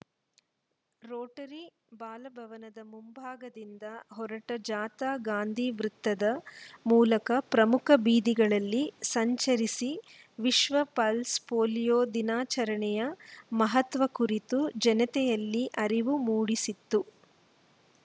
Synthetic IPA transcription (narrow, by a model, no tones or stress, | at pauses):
ɾoːʈɐɾi | baːlɐbʱɐʋɐnɐd̪ɐmumbʱaːɡɐd̪ind̪ɐɦɔɾɐʈɐd͡ʒaːt̪aːɡaːnd̪ʱiʋɾut̪ːɐd̪ɐmuːlɐkɐpɾɐmukʰɐbiːd̪iɡɐɭɐlːisɐɲt͡ʃɐɾisi | ʋiʃʋɐpɐlspoːlijoːd̪inaːt͡ʃɐɾɐɳɛjɐmɐɦɐt̪ʋɐkuɾit̪ud͡ʒɐnɐt̪ɛjɐlːiʔɐɾiʋumuːɽisit̪ːu